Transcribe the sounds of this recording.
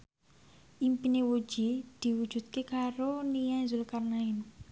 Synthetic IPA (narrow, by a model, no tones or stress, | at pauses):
ʔimpinewu̥d͡ʒ̥id̪̥i̤wud̥d͡ʒ̥ṳt̪̚kekaɾonijanzʊlkarnaɪn